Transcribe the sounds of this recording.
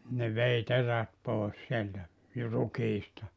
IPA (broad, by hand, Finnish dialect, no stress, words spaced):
ne ʋei teræt poˑes sieltæ ju rukiːstɑ